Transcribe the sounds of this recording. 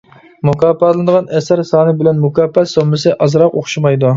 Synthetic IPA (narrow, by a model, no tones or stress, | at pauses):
mukɑːpːɑt̪lˠɨnd̪əʁɑnʔɛsæɾsɑːnɨbɪlɛnmukɑːpːɛt̪somːɨsɨʔɑzɾɑqoχʃimɑjd̪u